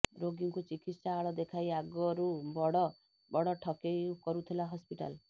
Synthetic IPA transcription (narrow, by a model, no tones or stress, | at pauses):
ɾoɡiŋkut͡ʃikit̪saːɭɔd̪ekʰajaɡɔɾubɔɽɔ | bɔɽɔʈʰɔkejkɔɾut̪ʰilaɦɔspiʈa̰l